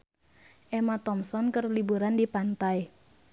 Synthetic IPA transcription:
ʔɛmat̪ɔmsɔnkərlibuɾandipant̪aj

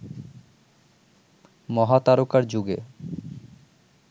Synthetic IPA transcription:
mɔɦat̪aɾokaɾd͡ʑuɡḛ

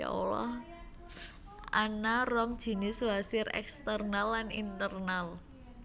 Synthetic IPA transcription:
a̰o̰lɔ̰h | ʔanarɔŋd̥ʒ̥i̤nɪswasɪɾɛ̰kst̪ərnalːanint̪ərnal

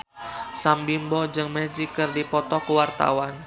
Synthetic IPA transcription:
sambimbɔd͡ʒɨŋmɛd͡ʒikɨrdipɔt̪ɔkuwart̪a̰wan

